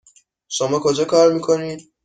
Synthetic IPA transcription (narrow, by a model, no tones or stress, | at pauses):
ʃomɒːkʰod͡ʒɒːkʰɒːɾmiːkʰoniːd̪̥